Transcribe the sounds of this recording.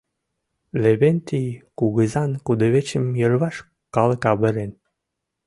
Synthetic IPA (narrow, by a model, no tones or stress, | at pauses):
leβent̪ijkuɣəzɑnkud̪ə̆βet͡ɕə̆mjərβɑʃ | kɑləkɑβə̆ɾen